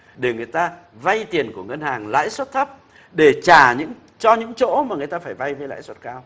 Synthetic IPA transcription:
ɗe˧˩ŋɨ˨˩əjt̪aː˧ | va˧jt̪i˨˩ənku˧˩əŋə˧nhaː˨˩ŋla̰ː˧˥jswt̚t̪ʰə˦˥p̚ | ɗe˧˩t͡ɕaː˨˩ɲɨ̰˧˥ŋ | t͡ɕɔ˧ɲɨ̰˧˥ŋt͡ɕo̰˧˥maː˨˩ŋɨ˨˩əjt̪aː˧faː˧˩jva˧jvə˧jla̰ː˧˥jswə˦˥t̚kaː˧w

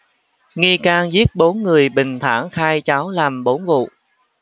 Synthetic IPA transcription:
ŋi˧kaː˧ŋzi˦˥ət̚ɓo˨˦nŋɨ˨˩əjɓï˨˩ŋ̟t̪ʰa̰ː˧˩ŋxaː˧jt͡ɕaː˨˦wlaː˨˩mɓo˨˦nvṵ˧˨

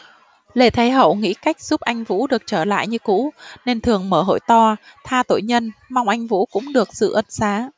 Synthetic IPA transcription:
le˨˧˩t̪ʰə˨˦jɦə̰˧˨wŋḭ˧˥ka˦˥jk̟̚z̥u˦˥p̚ʔa˧jŋ̟vṵ˧˥ɗɨ˨˩ək̚t͡ɕəː˧˩la̰ː˧˨jɲɨ˧kṵ˧˥ne˧nt̪ʰɨ˨˩əŋməː˧˩ɦo̰˧˨jt̪ɔ˧t̪ʰaː˧t̪o̰˧˨jɲə˧nma˧wŋ͡mʔa˧jŋ̟vṵ˧˥kʊ̰˧˥ŋ͡mɗɨ˨˩ək̚sɨ̰˧˨ʔə˧˦nsaː˨˦

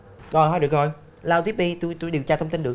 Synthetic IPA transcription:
kɔ˨˧ɦɔː˧˦jɗɨ˨˩ək̚o˧j | laː˧wt̪i˦˥p̚ɓi˧t̪u˧jt̪u˧jɗi˨˩wt͡ɕaː˧t̪ʰə˧wŋ͡mt̪i˧nɗɨ˨˩ək̚

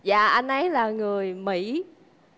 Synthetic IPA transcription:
zaː˧˨ʔa˧jnʔə˨˦jlaː˨˩ŋɨ˨˩əjmḭ˧˩˥

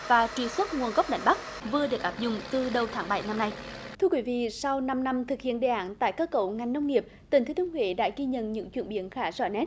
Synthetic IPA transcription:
vaː˨˩t͡ɕwi˨˩swə˦˥t̚ŋu˨˩ənɣa˦˥wk͡p̚ɗa̰˨˧˩jŋ̟ɓa˦˥k̚ | vɨ˨˩əɗɨ˨˩ək̚ʔaː˦˥p̚zʊ̰˧˨ŋ͡mt̪ɨ˨˩ɗə˨˩wt̪ʰaː˨˦ŋɓa˧˩jna˧mna˧jt̪ʰɨ˧əkwi˨˦vḭ˧˨sa˧wna˧mna˧mt̪ʰɨ˨˩k̚hḭ˧˨ənɗḛ˧˨ʔaː˧˥˦nt̪a̰ː˧˨jkəː˧kːə̰˧˨˩wŋa˨˩jŋnə˧wŋ͡mŋi˨˩əp̚t̪i˨˩ŋt̪ʰːt̪ənwḛ˧˨˦ɗa̰ː˧˥ɣi˧ɲə̰˧˨nɲɨ̰˧˥ŋt͡ɕwi˧˨nɓi˧˦ənxaː˨˦zɔ̰˧˩nɛ˦˥t̚

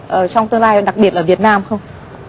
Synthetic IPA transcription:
ʔəː˧˩t͡ɕɔ˧wŋ͡mt̪ɨ˧ŋlaː˧jɗa˨˩k̚ɓi˨˩t̚ʔləː˧˩vi˨˩ət̚naː˧mxə˧wŋ͡m

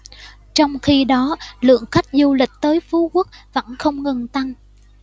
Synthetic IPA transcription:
t͡ɕɔ˧wŋ͡mxi˧ɗɔ˨˦lɨ̰˧˨əŋxa˦˥jk̟̚zu˧lï˨˩k̟̚t̪əː˨˦jfu˨˦ku˦˥k̚və̰˧˥nxə˧wŋ͡mŋə˨˩nt̪a˧ŋ

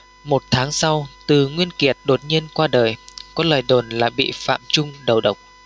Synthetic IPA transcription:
mo˨˩t̚t̪ʰaː˨˦ŋsa˧wt̪ɨ˨˩ŋwi˧ənki˨˩ət̚ɗo˨˩t̚ɲi˧ənkwaː˧ɗəː˨˩jkɔ˨˦ləː˨˩jɗo˨˩nlaː˨˩ɓḭ˧˨fa̰ː˧˨mt͡ɕʊ˧ŋ͡mɗə˨˩wɗə˨˩wk͡p̚

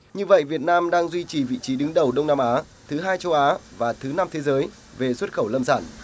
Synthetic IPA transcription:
ɲɨ˧və̰˧˨jvi˨˩ət̚naː˧mɗaː˧ŋzwi˧t͡ɕi˨˩vḭ˧˨t͡ɕi˨˦ɗɨ˨˦ŋɗə˨˩wɗə˧wŋ͡mnaː˧mʔaː˨˦ | t̪ʰɨ˨˦ɦaː˧jt͡ɕə˧wʔaː˨˦vaː˨˩t̪ʰɨ˨˦na˧mt̪ʰe˨˦zəː˨˦j | ve˨˩swə˦˥t̚xə˧˩wlə˧msaː˧˩n

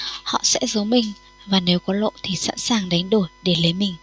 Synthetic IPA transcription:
hɔ̰˧˨sɛ̰˧˥zə˨˦mï˨˩ŋ̟ | vaː˨˩ne˨˦wkɔ˨˦lo̰˧˨t̪ʰi˨˩sa̰ː˧˥nsaː˨˩ŋɗa˨˦jŋ̟ɗo˧˩jɗe˧˩lə˨˦jmï˨˩ŋ̟

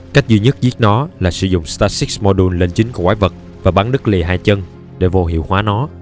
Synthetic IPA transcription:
ka˦˥jk̟̚zi˧ɲə˦˥t̚zi˦˥ət̚nɔ˨˦laː˨˩sɨ˧˩zʊ̰˧˨ŋ͡mst̪aː˧si˦˥k̚smɔ˧ɗu˧nle˧nt͡ɕï˨˦ŋ̟ku˧˩əkwaː˨˦jvə˨˩t̚ | vaː˨˩ɓaː˨˦ŋɗɨ˦˥k̚li˨˩ɦaː˧jt͡ɕə˧n | ɗe˧˩vo˧ɦḭ˧˨əwhwaː˨˦nɔ˨˦

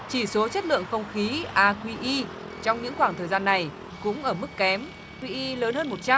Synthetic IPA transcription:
t͡ɕi˧˩so˨˦t͡ɕə˦˥t̚lɨ̰˧˨əŋxə˧wŋ͡mxi˨˦ʔaː˧kwi˧ʔi˧ | t͡ɕɔ˧wŋ͡mɲɨ̰˧˥ŋxwaː˧˩ŋt̪ʰəː˨˩jzaː˧nːa˨˩j | kʊ̰˧˥ŋ͡mʔəː˧˩mɨ˦˥k̚ːɛ˨˦m | kwi˧ʔi˧ləː˨˦nhəː˧nmo˨˩t̚t͡ɕa˧

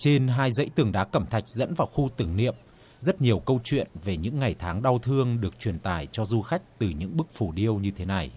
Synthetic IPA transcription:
t͡ɕe˧nɦaː˧jzə̰˧˥jt̪ɨ˨˩əŋɗa̰ː˨˦kə˧˩mt̪ʰa˨˩jk̟̚zə̰˧˥nvaː˨˩wxu˧t̪ɨ˨˧˩ŋnḭ˧˨əm | zə˦˥t̚ɲi˨˩əwkə˧wt͡ɕwḭ˧˨ənve˨˩ɲɨ̰˧˥ŋːa˨˩jt̪ʰaː˨˦ŋɗa˧wt̪ʰɨ˧əŋɗɨ˨˩ək̚t͡ɕwi˨˩ənt̪aː˧˩jt͡ɕɔ˧zu˧xa˦˥jk̟̚t̪ɨ˨˩ɲɨ̰˧˥ŋɓɨ˦˥k̚fu˧˩ɗi˧əwɲɨ˧t̪ʰe˨˦na˨˩j

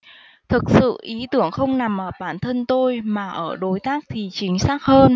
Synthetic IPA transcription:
t̪ʰɨ˨˩k̚sɨ̰˧˨ʔi˨˦t̪ɨ˧˩əŋxə˧wŋ͡mna˨˩mʔəː˧˩ɓaː˧˩nt̪ʰə˧nt̪o˧jmaː˨˩ʔəː˧˩ɗo˨˦jt̪aː˦˥k̚t̪ʰi˨˩t͡ɕï˨˦ŋ̟saː˦˥k̚həː˧n

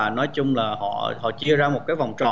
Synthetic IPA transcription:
nɔ˨˦jjt͡ɕʊ˧ŋ͡mlaː˨˩hɔ̰˧˨hɔ̰˧˨t͡ɕi˧əzaː˧mo˨˩t̚kaː˨˦jva˨˩wŋ͡mt͡ɕɔ̰˧˨

